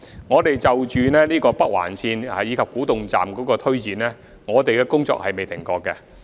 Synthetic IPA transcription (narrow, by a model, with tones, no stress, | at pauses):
ŋɔː˨˧t̪e˨jt͡sɐ˨wt͡ʃyː˨nɛː˥niː˥kɔː˧pɐ˥k̚wa̰ː˨˩nsiː˧na˨jiː˨˧kʰɐ˨p̚kuː˨˥t̪ʊ˨ŋt͡sa̰ː˨mkɔː˨˥kɔː˧t̪ʰɵ˥ɥt͡siː˨nlɛː˥ | ŋɔː˨˧t̪e˨jkɛ˧kʊ˥ŋt͡sɔ̰ː˧k̚hɐ˨jme˨jt̪ʰɪ˨˩ŋkɔː˧kːɛ˧